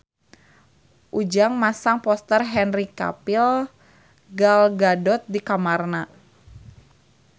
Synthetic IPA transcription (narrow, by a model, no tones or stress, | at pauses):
ʔud͡ʒaŋmasaŋpɔst̪ərɦɛnrika̰pil | ɡalɡadɔt̪̚dikamarna